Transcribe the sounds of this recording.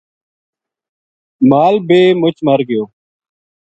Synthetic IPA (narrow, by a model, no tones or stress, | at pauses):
maːlbeːmʊt͡ʃməɾɡɪjoː